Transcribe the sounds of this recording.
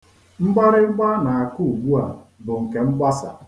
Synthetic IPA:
ŋ͡m̩˦ɡ͡ba˦ɾɪ˦ɡ͡ba˦na˨a˨ku˦u˨ɡ͡bu˦a̰˨bʊ˨ŋ̩˨ke˨ŋ͡m̩˦ɡ͡ba˦sa̰˨

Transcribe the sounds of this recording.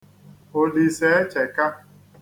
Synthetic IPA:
o˨li˨se˦e˦t͡ʃe˨ka˦

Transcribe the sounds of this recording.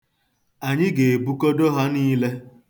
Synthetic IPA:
a˨ɲɪ˦ɡe˨e˨bu˦ko˦do˦ɦɔ˦niː˦le˦

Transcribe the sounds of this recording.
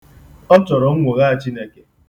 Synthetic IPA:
ɔ˦t͡ʃɔ˨ɾɔ˨ŋ̩˦ŋʷo˨ɣa˦a˨t͡ʃi˦ne˨ke˦

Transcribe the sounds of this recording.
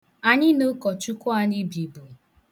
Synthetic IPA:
a˨ɲɪ˦no˦kɔ˨t͡ʃu˦kʷʊ˦a˦ɲi˦bi˨bo˨

